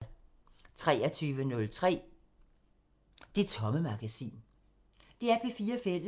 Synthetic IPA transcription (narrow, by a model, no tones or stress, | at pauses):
t͡sʰʁɛ̰ːɐt͡sʰyːʋənɔ̽lt͡sʰʁɛ̰ː | d̥e̝t͡sʰɒ̽məmɑ̈ɡ̥æsḭːn | d̥e̝æɐpʰefiːɐfel̰